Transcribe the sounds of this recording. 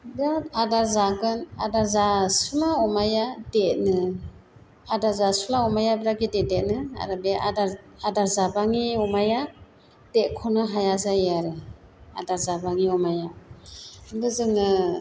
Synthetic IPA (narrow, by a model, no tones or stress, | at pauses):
bɾatadaɾzaɡɯnadaɾzasulaɔmajadet̚nɯ | adaɾzasulaɔmajabɾaɡidet̚det̚nɯa̰ɾɯbeada | adaɾzabaŋiɔmaja | d̥et̚kʰɔnɯɦajazajeaɾɯ | a̰daɾzabaŋiɔmaja | ɡɯzɯŋɯ